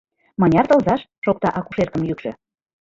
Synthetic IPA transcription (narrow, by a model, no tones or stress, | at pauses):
mɑnʲɑrt̪ɤ̆lzɑʃʃok̚t̪ɑʔɑkuʃerkəmjykʃø̆